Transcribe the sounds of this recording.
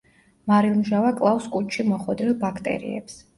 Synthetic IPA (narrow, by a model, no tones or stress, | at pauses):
maɾilˠmʒavakʼlˠafskʼut͡ʃʰʃimɔχwɛd̪ɾilˠbakʰt̪ʼɛ̰ɾḭɛ̰ps